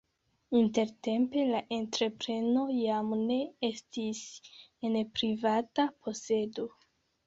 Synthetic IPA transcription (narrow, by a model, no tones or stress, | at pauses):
inte̞ɾte̞mpe̞laʔe̞ntɾe̞pɾe̞no̞jamne̞estisenpɾivatapʰo̞se̞do